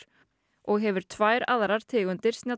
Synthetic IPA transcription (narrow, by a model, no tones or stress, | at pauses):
ɔɣɦɛvʏɾ̥t̪ʰvaːjɾa̰ðɾaɾ̥t̪ʰɪːɣʏnt̪ɪɾ̥snja